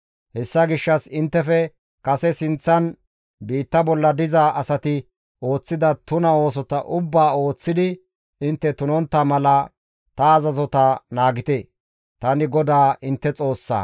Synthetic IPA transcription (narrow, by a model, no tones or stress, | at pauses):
hɛsːɐɡɪʃːɐsɪnt̪ːɛfɛ | kɐsɛsɪnt͡sːɐn | biːt̪ːɐbɔlːɐd̪ɪzaːʔɐsɐt̪ɪ | o̞ːt͡sːɪd̪ɐt̪ʊnɐo̞ːs̬ɔt̪ɐʔʊbːaːo̞ːt͡sːɪd̪ɪ | ɪnt̪ːɛt̪ʊnɔnt̪ːɐmɐlɐ | t̪ɐːzɐzɔt̪ɐnaːɡɪt̪e | t̪ɐnɪɡɔd̪aːʔɪnt̪ːɛt͡sʼo̞ːsːa̰ː